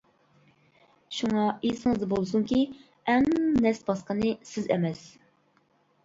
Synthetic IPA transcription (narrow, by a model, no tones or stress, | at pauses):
ʃuŋɑesɨŋɨzd̪ɑbolˠɨs̬uŋkʲi | ɛŋnɛsbɑsqənɨsɪzɛ̰mɛs